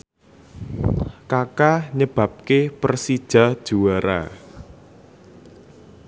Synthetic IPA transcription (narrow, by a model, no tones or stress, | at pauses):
kakaɲəb̥a̤p̚kepərsid̥ʒ̥a̤d̥ʒ̥uaɾa̰